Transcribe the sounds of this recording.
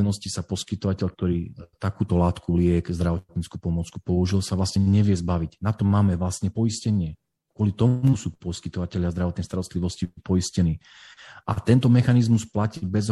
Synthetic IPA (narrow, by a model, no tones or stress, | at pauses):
nɔscisapɔskit̪ɔʋacɛʎk̚t̪ɔɾiːt̪akuːt̪ɔlaːt̪kulɪɛkzd̪ɾaʋɔtt̪t̪ɲit͡skupɔmɔt͡skupɔuʒilsaʋlasɲɛɲɛʋɪɛzbaʋiɟnat̪ɔmːaːmɛʋlasɲɛpɔiscɛɲɪɛ | ɡ̥wʊɔlit̪ɔmusuːpɔskit̪ɔʋacɛlʎɪazd̪ɾaʋɔt̪nɛɪst̪aɾɔst̪liʋɔscipɔiscɛniː | ʔa̰t̪ɛnt̪ɔmɛxanizmusplacibɛz